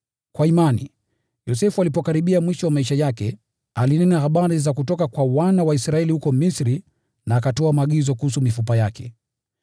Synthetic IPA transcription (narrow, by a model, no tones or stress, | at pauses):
kwaimanḭ | jɔsɛfualipɔkaɾiɓiamwiʃɔwamaiʃajakɛ | alinɛnahaɓaɾizakutɔkakwawanawaisɾaɛlihukɔmisɾi | naːkatɔamaːɠizɔkuhusumifupajakʰɛ̰